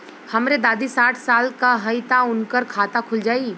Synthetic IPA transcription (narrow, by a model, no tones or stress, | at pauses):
hɐmɾed̪aːd̪isaːʈʰsaːlkaɦɐjt̪aʊnkəɾkʰaːt̪akʰʊld͡ʒaːiː